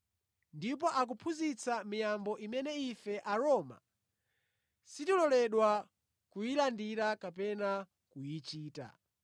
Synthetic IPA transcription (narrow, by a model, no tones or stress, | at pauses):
ndip̬ɔʔak̬upʰuzit͡samijambɔʔimɛnɛifɛʔaɾɔma̰ | sitilɔlɛɗwa | kujilandiɾakapɛna | kujit͡ʃiːta̰